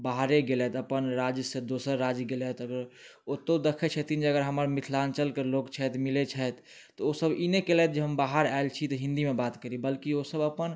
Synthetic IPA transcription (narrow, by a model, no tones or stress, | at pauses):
baɦɾeɡelɛt̪əpənɾad͡ʒjsẽd̪osəɾːad͡ʒɡelɛt̪əɡəɾ | ot̪od̪ekʰet͡ʃʰɛt̪ind͡ʒəɡəɾɦəməɾmit̪ʰlant͡ʃəlkelokt͡ʃʰɛt̪milet͡ʃʰɛt̪ː | ɔosəbinekelɛt̪̚d͡ʒeɦəmbaɦəɾaelt͡ʃʰit̪ɔɦĩnd̪imebat̪kəɾibəlkiosəbəpən